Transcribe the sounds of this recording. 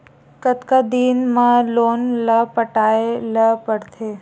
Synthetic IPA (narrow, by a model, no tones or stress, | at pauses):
kət̪kad̪inmãlonləpəʈaeləpəɽt̪ʰe